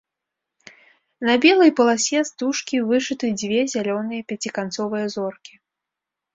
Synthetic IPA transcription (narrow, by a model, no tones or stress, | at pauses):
nɐbʲɛlˠɐjpɐlˠasʲɛst̪uʂkʲivɨʂɨt̪ɨd͡zʲvʲɛzʲalʲɔnɨjɐpʲɛt͡sʲikant̪sɔvɨjɐzɔrkʲi